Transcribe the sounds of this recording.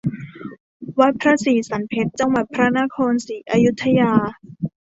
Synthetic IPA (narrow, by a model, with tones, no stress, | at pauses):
wa˦˥t̪̚pʰɾa˦˥siː˨˩˦sa˩˦npʰe˦˥t̪̚t͡ɕa˧ŋwa˨˩t̪̚pʰɾa˦˥na˦˥kʰoː˧nsiː˩˦ʔaː˧ju˦˥t̪ʰːa˧jaː˧